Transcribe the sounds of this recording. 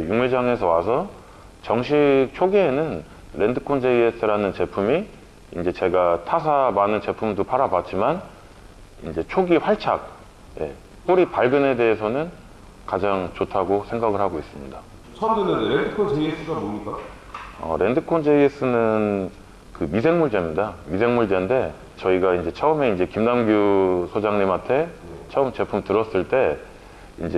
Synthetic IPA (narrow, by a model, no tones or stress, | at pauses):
juŋɯɭd͡ʑaŋe̞sʰʌwasʰʌ | t͡ɕʌŋɕʰik̚t͡ɕʰoɡienɯn | ɾe̞ndɯkʰond͡ʑeies͈ɯɾanɯnt͡ɕe̞pʰumi | ind͡ʑe̞t͡ɕe̞ɡatʰas̬ʰamanɯnt͡ɕe̞pʰumdopʰaɾabat͡ɕ͈iman | ind͡ʑe̞t͡ɕʰoɡiɸwaɭt͡ɕʰak̚ | je̞̰ | p͈oɾipaɭɡɯne̞de̞ːsʰʌnɯn | kad͡ʑaŋt͡ɕotʰaɡosʰe̞ŋɡaɡɯɭɦhaɡois͈ɯmɲida | t͡ɕʰʌmdɯnɯnɾendɯkʰond͡ʑeies͈ɯɡaboɲik͈a | ʌ̰ɾʔe̞ndɯkʰond͡ʑʰeies͈ɯnɯn | kɯmisʰe̞ŋmuɭde̞mɲidamis̬ʰe̞ŋmuɭdende̞ | t͡ɕʌiɡaind͡ʑe̞t͡ɕʰʌɯme̞ind͡ʑe̞kimnamɡjusʰod͡ʑaŋɲimantʰe̞t͡ɕʰʌɯmt͡ɕe̞pʰumtɯɾʌs͈ɯɭt͈e̞ | ind͡ʑe